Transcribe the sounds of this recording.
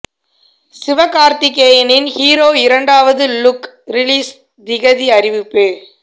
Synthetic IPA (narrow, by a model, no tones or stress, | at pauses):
sɪʋɐkːaːɾt̪ɪk̬ːeːjɐnɪnhiːɾoːɪɾɐɳɖaːʋɐðɯlʊk | ɾɪliːs | d̪ɪɣɐðiɐɾɪʋɯpːɯ